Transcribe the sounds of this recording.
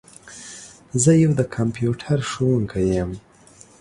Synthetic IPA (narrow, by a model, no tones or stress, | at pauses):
zəjawd̪əkʰampjuʈʰaɾʂuwuŋkʰajəm